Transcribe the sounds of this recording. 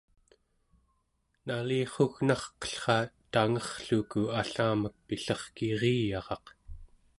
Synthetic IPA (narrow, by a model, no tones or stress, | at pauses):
naliːχoɣnɑχqʌ̥ɬχɑt̪aŋʌχɬukuaɬaːmək̚piɬʌχkiʁiːjɑʁɑq